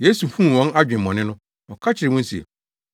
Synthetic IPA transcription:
je˦su˨fũ˦n˨wɔ̃˦na˦d͡ʑᶣɪ̃˨m̩ː˨ɔ̃˨nɪ̃˦nʊ̃˦ | ɔ̃˨kʰa˦t͡ɕʰɪ˨ɾɪ˨mʊ̃˦n̩˦si˨ḛ˨

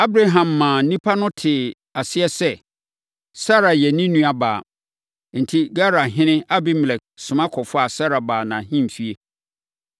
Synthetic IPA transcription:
a˦bɾa˦ɦã˨mːãː˨nĩ˦pʰa˦nʊ̃˦tʰɪ˨ | a˨sɪ˦ɛ˦sɛ˦ | sa˦ɾa˨jɛ˨nĩ˦nũ˦a˨ba̰ː˨ | n̩˨tʰi˦ɡa˦ɾa˨ɦɪ̃˦nɪ̃˦a˦bɪ˦m˨lɛ˨k̚sʊ̃˨mã˦kʰɔ˨fʊ˦a˨sa˦ɾa˨baː˨nã˨hĩ˦m̩˨fi˦e˦

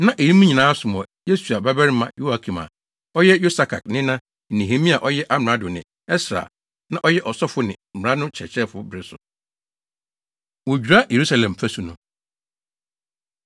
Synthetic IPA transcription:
nã˦ʔe˨ji˦mũ˦ɲĩ˨nãː˦sʊ˨m˨ɔ˨je˦su˨a˨ba˦bɛ˦ɾɪ˦mã̰˨jo˦a˨kʰi˨ma̰˨ | ɔ˦jɛ˦jo˦sa˨kʰa̰˨knɪ̃˦nã˦˨ | nĩ˨ɦe˨mĩ˦a˨ʔɔ˦jɛ˦ʔa˦mɪ˨a˦dʊ̃˨nɪ̰̃˨ | ɛ˦sɾa̰˨ | nã˦ʔɔ˦jɛ˦ʔɔ˨sɔ˦fʊ˦nɪ̃˨m̩˨ã˦nʊ̃˦t͡ɕʰɛ̰˨t͡ɕʰɛ˦fʊ˨bɾɪ˦sʊ˨ | wɔ˨d͡ʑᶣu˨ɾa˦je˨ɾu˦sa˦lɛ̃˨mfæ˦su˨nʊ̃˨

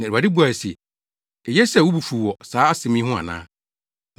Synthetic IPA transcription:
nã˨a˨dɪ˦bu˦a˨sɛ̰˨ | ɛ˨jɛ˦sɛ˦˨wu˦bu˨fu˨wɔ˨saː˨˦a˦sɪ˨mĩ˦ɦʊ̃˦a̰˨nã̰ː˦

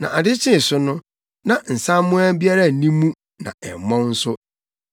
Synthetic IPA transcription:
nã̰˨ʔa˨dɪ˦t͡ɕʰɪ̃˦˨sʊ˦nʊ̃˦ | nã˨n̩˨sã˦mʊ̃˦a˦bi˦a˦ɾa˦˨nĩ˦mũ˦ | nã̰˨ɛ̰˨m˨mɔ̃˦n̩˦sʊ˦

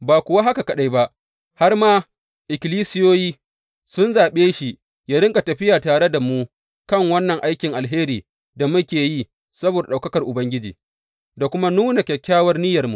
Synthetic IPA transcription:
baː˨kʷʊ˨wa˦ɦa˦ka˨kɐ˨ɗa˦jba˦ʔ | ha˦rmaː˦ | ʔɪ˨kʲɪ˨liː˦sɪ˦joː˦jiː˦ | sʊ˦nzaː˨ɓeː˦ʃi˨ | jaː˦ɽɪ˦ŋkʼa˨tɐ˨ɸɪ˦jaː˨taː˨ɽe˦da˨mu˦ | kɐ˦˨ŋwɐ˦nːɐ˨ŋʔa˦jkʲɪ˨ŋʔa˨lɦeː˦ɾiː˨ | da˨mʊ˦kʲeː˨ji˦ | sɐ˦boː˨da˨ɗa˨wkɐ˦kɐ˨rʔʊ˨bɐ˦ŋɡʲɪ˦d͡ʒḭː˨ | da˨kʷʊ˦ma˦nuː˦na˨kʲɛ˨kʲːaː˦wɐ˦rnɪ˦jɐ˨rmṵ˨

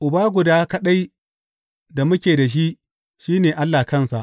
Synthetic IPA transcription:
ʔʊ˨baː˦ɡʷʊ˨daː˦kɐ˦ɗa˦j | da˨mʊ˦kʲeː˨da˨ʃ̬i˦ʔ | ʃiː˦neː˨ʔa˦lːaː˨kɐ˦˨nsa˨ʔ

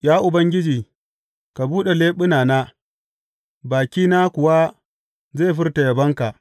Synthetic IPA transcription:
jaː˦ʔʊ˨bɐ˦ŋɡʲɪ˦d͡ʒiː˨ | ka˨buː˦ɗe˨leː˦ɓʊ˦naː˨na˦ | baː˨kʲiː˦na˦kʊ˨wa˦ | ze˦˨ɸɪ˦rta˨jɐ˨bɐ˦ŋka˨ʔ

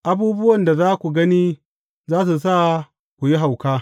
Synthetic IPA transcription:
ʔa˦buː˦bʊ˦wɐ˨nda˨zaː˦kʷu˨ɡɐ˦ni˦ | zaː˦s̬u˨s̬a˦˨ | kʷu˨ji˦ɦa˨wkaː˦

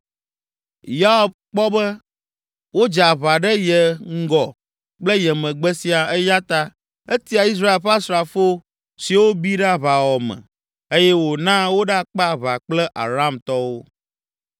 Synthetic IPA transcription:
ja˦ɔ˦b̚k͡pɔ˦bə˦ | wo˦d͡ʒa˨βa˨ɖə˦jɛ˨ŋ̩˦ɡɔ˨ | k͡plə˦jɛ˨mə̃˨ɡ͡bɛ˦si˨a˨ɛ˦ja˦t̪a˦ | e˦t̪i˦a˨i˦s̬ɾa˦e˨lɸa˦sɾa˨fo˦ | si˨wo˦bi˦ɖa˦βa˨wɔ˨mɛ̰̃˨ | e˦jɛ˦wo˨nã˦wo˦ɖa˦k͡pa˦˨βa˨k͡plɛ˦ʔa˨ɾa˦˨mt̪ɔ˦wo˦

